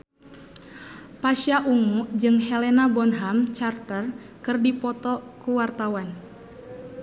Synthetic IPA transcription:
paʃaʔuŋud͡ʒɨŋɦɛlɛnabɔnɦamt͡ʃart̪ər | kɨrdipɔt̪ɔkuwart̪awan

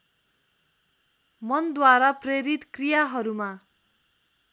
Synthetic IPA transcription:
mʌnd̪waɾapreɾit̪krijaɦʌɾuma

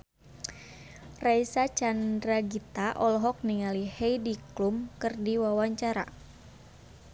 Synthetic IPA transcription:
raisat͡ʃandɾaɡit̪aʔɔlɔɦɔk̚niŋalihɛjdiklumkɨrdiwawaɲt͡ʃaɾa̰

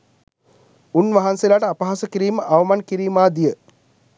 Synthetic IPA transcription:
unʋaɦanselaːʈəapəɦasəkiɾiːməʔaʋəmankiɾiːmaːd̪ijə

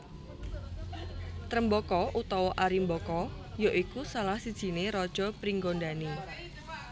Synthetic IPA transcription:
t̪ɾəmbɔkɔʔut̪ɔwɔʔaɾimbɔkɔ | joʔikusalahsid̥ʒ̥i̤neɾɔd̥ʒ̥ɔ̤pɾiŋɡondani

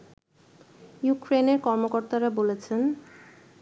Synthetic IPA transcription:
jukɾeneɾkɔɾmokoɾt̪aɾabolet͡ɕʰen

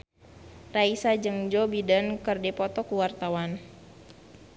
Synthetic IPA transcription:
raisad͡ʒɨŋd͡ʒɔbidankɨrdɛpɔt̪ɔkuwart̪awan

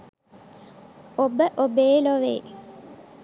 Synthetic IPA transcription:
obəʔobeːloʋḛː

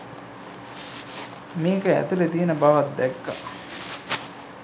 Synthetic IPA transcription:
meːkəæ̰t̪ulet̪iːnəbaʋat̪̚d̪ɛkːa

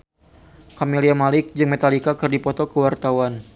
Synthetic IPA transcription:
kamiliamalɪk̚d͡ʒɨŋmɛt̪alikakɨrdipɔt̪ɔkəwart̪awan

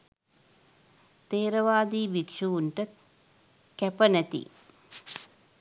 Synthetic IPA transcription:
t̪eːɾɐʋaːd̪iːbikʂuʋuɳʈə | kæpənæt̪ḭ

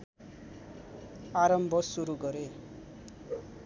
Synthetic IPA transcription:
aɾʌmbʱʌsuɾuɡʌɾe

